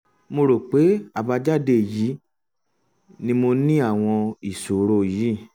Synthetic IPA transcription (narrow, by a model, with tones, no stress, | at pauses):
mo˧ɾo˨k͡pe˨˦a˦˨ba˧d͡ʒa˦˨de˧˨ji˨˦ | nĩ˧mo˧nĩ˦a˦˨w̃ɔ̃˧i˨so˨ɾo˧ji˨˦˨